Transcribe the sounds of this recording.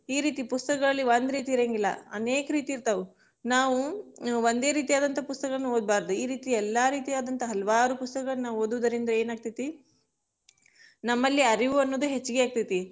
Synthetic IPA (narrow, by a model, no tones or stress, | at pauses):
iːɾiːt̪ipust̪ɐkɐɭɐlːiʋond̪ɾiːt̪̬iɾeŋɡilːɐ̰ɐneːkɐɾiːt̪iːɾt̪ɐʋu | naːʋuʋond̪e̞ːɾiːt̪ijaːd̪ɐnt̪ʰɐpust̪ɐkɐɭɐnːuoːd̪̚baːɾd̪uiːɾiːt̪iɛlːaːɾiːt̪ijaːd̪ɐnt̪ɐɦɐlɐʋaːɾupust̪ɐkɐɡɐɭɐnaːʋuoːd̪uʋud̪ɐɾind̪ɐe̞ːnaːɡ̚t̪it̪i | nɐmːɐlːiɐɾiʋuɐnːoːd̪uɦet͡ʃːuɡeaːɡ̚t̪it̪i